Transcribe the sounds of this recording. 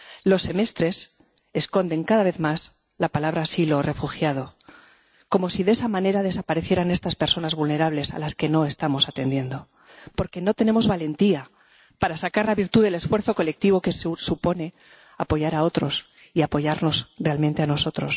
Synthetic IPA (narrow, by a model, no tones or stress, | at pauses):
lo̞sːe̞me̞st̪ɾe̞s | esko̞nd̪e̞ŋkaðaβe̞θmas | lapalaβ̞ɾasilo̞re̞fuxjað̞o̞ | ko̞mo̞siðe̞samãne̞ɾað̞e̞sapaɾeθje̞ɾane̞st̪aspe̞ɾso̞nazβulne̞ɾaβle̞sa̰laske̞no̞e̞st̪amo̞sat̪end̪je̞nd̪o̞ | po̞ɾke̞no̞t̪e̞ne̞mo̞zβale̞nt̪ia | paɾasakaɾlaβiɾt̪uðe̞le̞sfwe̞ɾθo̞ko̞le̞k̚t̪iβo̞ke̞ssupo̞ne̞ | apo̞ʝaɾao̞t̪ɾo̞s | iapo̞ʝaɾno̞zre̞almẽnt̪eano̞so̞t̪ɾo̞s